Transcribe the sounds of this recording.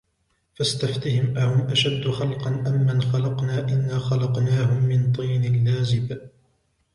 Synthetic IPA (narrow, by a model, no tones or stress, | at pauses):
fast̪aft̪ɪhɪmʔahʊmʔaʃad̪ːxɑlqɑnʔamːanxɑlɑqnaːʔɪnːaːxɑlɑqnaːɦʊmːɪnt̪ˤiːnɪlːaːzɪb